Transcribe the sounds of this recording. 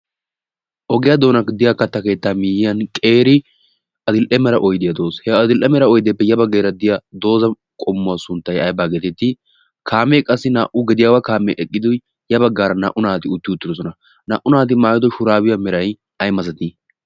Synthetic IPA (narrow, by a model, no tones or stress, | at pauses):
ʔɔɡɪjad̪o̞ːnɐkd̪ɪjakːɐt̪ːɐke̞ːt̪ːaːmɪjɪjɐnkʼe̞ːɾɪ | ʔɐd̪ɪlʔɛmɛɾɐʔɔjd̪ɪjɐd̪oːshɛɐd̪ɪlʔɛmɛɾɐɔjd̪ɛpːɛjɐbɐɡeːɾɐd̪ɪjad̪o̞ːzɐ | kʼɔmːʊwasʊnt̪ːɐjɐjbaːɡeːt̪ɛt̪ːɪ | kʰaːmːekʼɐsːɪnaːʔʊɡɛd̪ɪjaːwɐkaːmɛʔɛkʼːɪd̪ʊj | jɐbɐɡːaːɾɐnɐʔʊnaːt̪ɪʊt̪ːɪʊt̪ːɪd̪ɔs̬ɔnɐ | nɐʔʊnaːt̪̬ɪmaːjɔd̪ɔʃʊɾaːwɪjɐmɛɾɐj | ɐjmɐzɐt̪i